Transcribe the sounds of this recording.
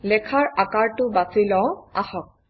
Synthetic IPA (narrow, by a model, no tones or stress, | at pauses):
lɛkʰaɹakaɹtʊbasilɔwahɔk̚